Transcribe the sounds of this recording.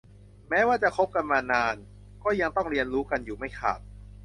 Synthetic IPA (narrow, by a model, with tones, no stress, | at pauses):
mɛː˦˥waː˥˩t͡ɕa˨˩kʰo˦˥p̚ka˧nmaː˧naː˧n | kɔː˥˩ja˧ŋt̪ɔ˥˩ŋɾi˧ənɾuː˦˥ka˧njuː˨˩ma˥˩jkʰa̰ː˨˩t̪̚